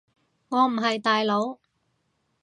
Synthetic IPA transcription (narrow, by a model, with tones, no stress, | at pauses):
ŋɔː˨˧m̩˨˩ɦɐ˨jt̪aː˨jlo˨˧˥w